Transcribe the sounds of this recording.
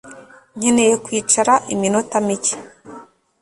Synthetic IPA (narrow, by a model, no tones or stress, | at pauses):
ɲinejokwiːt͡ʃaɾaʔiminotamici̥